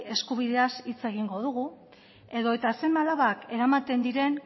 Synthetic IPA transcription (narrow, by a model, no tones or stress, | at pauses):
e̞skuβ̞iðe̞asit͡se̞ɣ̞iŋɡo̞ð̞uɣu | e̞ðo̞e̞t̪ase̞malaβake̞ɾamat̪e̞nd̪iɾe̞n